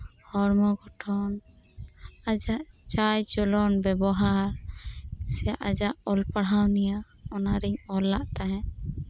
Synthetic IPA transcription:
hɔɾmɔɡɔʈʰɔn | ad͡ʒaʔt͡ʃajd͡ʒɔlɔnbɛbɔɦaɾ | sɛjaʔad͡ʒaʔɔlpaɽɦawnija | ɔnaɾiɲɔlːaʔt̪aɦɛ̃

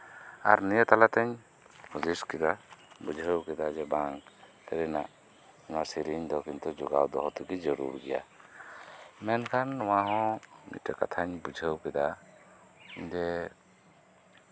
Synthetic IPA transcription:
a̰ɾnijət̪alat̪ɛɲ | hʰuziskɛd̪abud͡ʒʱəwkɛd̪ad͡ʒɛbaŋ | k̪əɾɛna̰ʔ | ŋasiɾiɲd̪ɔkint̪ud͡ʒɔɡa̰wd̪ɔɦɔt̪uɡid͡ʒɔɾṵɾɡɛja̰ | mɛnkʰanwaɦɔ̃mḭtəka̰t̪ʰaɲbud͡ʒʱəwkɛd̪a | d͡ʒɛ

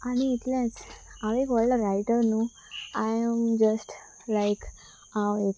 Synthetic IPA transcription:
añiːʈljãt͡saʋekɔləɾajʈəɾnu | ajəmd͡ʒəsʈ | lajk | aʋek

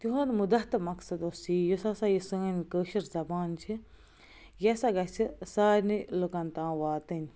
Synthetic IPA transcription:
t̪uɦoːnmud̪ɐɦt̪ɐmɐksɐd̪osijosasajisəːnʲkəːʃɐɾzɐbaːnt͡ʃʰi | jɐsɐɡɐt͡ʃʰisaːɾʲnilokɐnt̪ãːʋaːt̪ɨnʲ

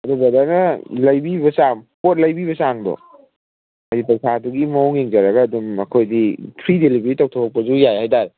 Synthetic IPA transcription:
ɐdubɐdanɐlɐjbibɐsampot̚lɐjbiβɐsaŋdɔ̰ | ajdipɐsʰaduɡimɐɔwŋeŋd͡ʒɐɾɐɡɐːdumɐkʰojdipʰɾidelibɾitaw̚tʰɔkʰɔk̚pɐzujajhajdaɾ

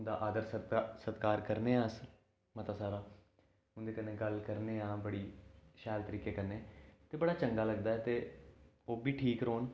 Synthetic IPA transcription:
nd̪a̰ːʔaːd̪əɾsəsət̪kaːɾkəɾneːãːs | mət̪aːsaːɾaː | ʊ̃nd̪eːkəneːɡəlkəɾneːãːbəɽiːʃɛːlt̪əɾiːkeːkəɾneːt̪eːbəɽaːt͡ʃəŋɡaːləɡd̪aːɛːt̪eː | oːbiːʈʰiːkɾoːn

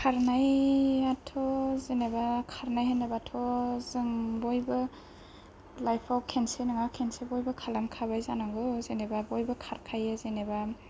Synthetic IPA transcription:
kʰaɾnajatʰɔzinebakʰaɾnajhenebatʰɔzɯŋbɔjbɯ | lajpʰawkʰensenɯŋawkʰensebɔjbɯkʰalamkʰaβajzanaŋɡɯzinebabɔjbɯkʰaɾkʰajezineba

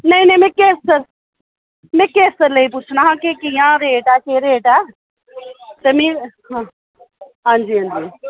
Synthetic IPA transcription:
nɐĩnɐĩmẽːkeːsəɾ | mɛ̃ːkeːsəɾleip̬ʊt͡ʃʰnaːɦãkekijãːɾeːʈaːkeɾeːʈaː | t̪emĩ | ɦã | ɦãːnd͡ʒiːɦãːnd͡ʒiː

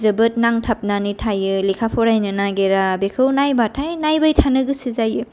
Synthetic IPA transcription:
zɯbɯt̚naŋtʰap̚nanitʰajɯlikʰapʰɔɾajnɯnaɡeɾabekʰɯwnajbatʰajnajbajtʰanɯɡɯsizajɯ

